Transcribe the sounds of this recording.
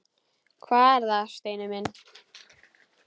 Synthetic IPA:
kʰvaːɛɾðaʃt̪ejnɪmɪn

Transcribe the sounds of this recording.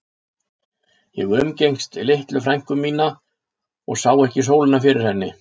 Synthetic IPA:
jɛ̰ɣʏmcejŋst̪ileht̪lʏfɾajŋ̥kʏmːiːna | ɔɣsaːwɛhcɪs̬oːwlɪnafɪɾɪɾ̥hɛnːɪ

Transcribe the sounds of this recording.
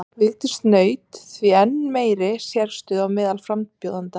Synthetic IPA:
vɪlt̪ɪst̪nœːɥt̪θviɛnːmeːjɾɪsjɛɾst̪ʏðawmɪːðalfɾamppjowðant̪a

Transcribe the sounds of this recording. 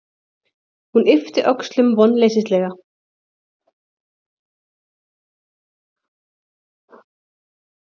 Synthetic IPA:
hunɪft̪ɪʔœkst̪lʏmvɔnːleːjsɪst̪lɛːɣa

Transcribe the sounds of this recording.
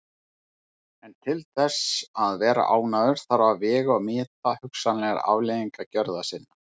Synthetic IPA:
ɛnt̪ʰɪlθɛsaðvɛːɾa̰ʔaːwnaðʏɾ̥θaɾvavɛːɣɔɣmɪːt̪ahʏksanlɛɣaɾa̰vleːðiŋkacœɾðasɪnːa

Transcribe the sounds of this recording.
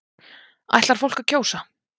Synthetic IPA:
a̰jht̪laɾ̥fowlkacʰoːwsa

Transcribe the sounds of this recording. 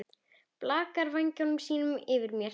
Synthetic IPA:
plaːkaɾvajɲcɔnʏmsiːnʏmɪvɪɾmjɛ

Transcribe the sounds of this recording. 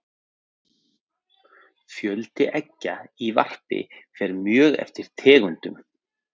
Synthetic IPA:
fjœlt̪ɪʔɛcːaivar̥pɪ̰fɛɾmjœːɣɛ̰ft̪ɪɾ̥t̪ʰɛːɣʏnt̪ʏm

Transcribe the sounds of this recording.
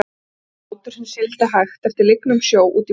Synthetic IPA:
ut̪ʏɾ̥hɪnsɪlt̪aɦajxt̪ɛft̪ɪɾlɪknʏmsjoːwʔṵːt̪i

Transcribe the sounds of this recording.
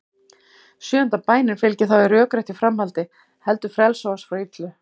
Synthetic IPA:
sjʏːʏnt̪apaːjnɪnfɪlcɪθawɛɾœːkɾajht̪ifɾamhalt̪ɪ | hɛlt̪ʏ̥fɾɛlsowasfɾait̪lʏ

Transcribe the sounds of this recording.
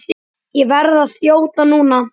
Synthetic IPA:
jɛvɛɾðaðθjoːwt̪anuːna

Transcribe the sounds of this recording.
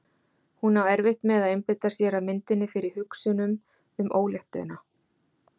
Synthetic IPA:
hunawɛɾvɪht̪mɛðaðejmpɪt̪ḁsjɛɾamɪnt̪ɪnːɪfɪɾɪɾ̥hʏksʏnʏm | ʏmʔoːwljɛht̪na

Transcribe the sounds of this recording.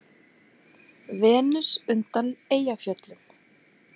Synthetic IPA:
vɛːnʏsʏnt̪aneːjafjœt̪lʏm

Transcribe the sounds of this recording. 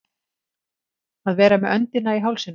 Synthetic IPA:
aðvɛːɾamɛðœnt̪ɪnaiɦawlsɪn

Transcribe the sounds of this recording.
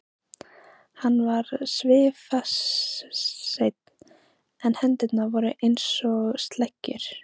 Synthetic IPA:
hanːvaɾsvɪːfas | ejt̪̚n | ɛnhɛnt̪ɪt̪naɾvɔːɾʏʔejnsɔɣst̪lɛcːʏ̰ɾ̥

